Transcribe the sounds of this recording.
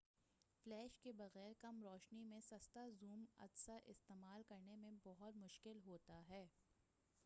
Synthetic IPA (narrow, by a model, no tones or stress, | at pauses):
flɛːʃkebɐɣɛːɾkɐmɾɔːʃnimẽsɐst̪azuːmɐ̰d̪saʔɪst̪eːmaːlkɐɾnemẽbɔɦʊt̪mʊʃkɪlɦoːt̪aɦɛː